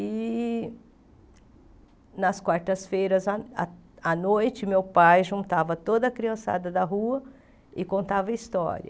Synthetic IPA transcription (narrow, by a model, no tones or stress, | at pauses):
ɪ | nɐskwaɾt̪ɐsfejɾɐzɐɐɐnojt͡ʃɪmewpajʒũnt̪avɐt̪od̪ɐːkɾiɐ̃sa̰d̪ɐd̪ɐɦuɐ | ɪkõnt̪avɐist̪ɔ̰ɾḭɐ̰